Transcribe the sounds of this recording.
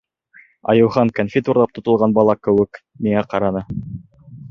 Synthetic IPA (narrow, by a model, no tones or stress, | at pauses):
ɑ̰jɤ̆wχɑŋkonfʲit̪uɾlˠɑp̚t̪ŏt̪ŏlˠʁɑnbɑlˠɑkɘ̆wɘ̆k | miŋæqɑɾɑnɤ